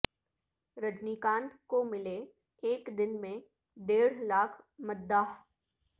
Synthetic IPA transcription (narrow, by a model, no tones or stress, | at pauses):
ɾəd͡ʒniːkãːnd̪komɪle | eːkd̪ɪnmẽ | d̪eːɽ̤laːkʰmɐd̪ːaːɦ